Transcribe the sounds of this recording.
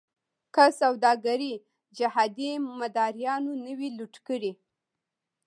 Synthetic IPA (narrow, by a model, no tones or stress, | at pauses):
kasawd̪ɑɡaɾi | d͡ʒahɑd̪imad̪ɑɾjɑnonəwiluʈkəɽi